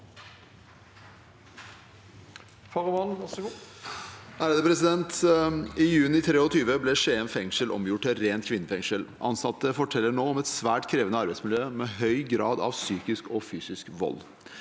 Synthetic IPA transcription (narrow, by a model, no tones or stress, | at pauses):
fɔʁmɑn | æːɾəd̪əpʰɾɛsɪd̪ɛnt̪ɪjʉːnɪt̪ʰɾeːɔt̪ʰyːʋəblɛʂeːɛnfɛŋʂəlʔɔ̰mjʊʈːɪɾeːnt̪kʰʋɪnːəfɛŋʂəlʔɑ̰nsɑt̪ːəfɔʈʰɛlːəɳoːɔmɛt̪sʋæːʈkʰɾeːʋənəɑɾbæɪtsmɪljøːmɛɦœʏɡɾɑːd̪ɑ̰ʋsyːkɪskɔfyːsɪskʋɔ̰lː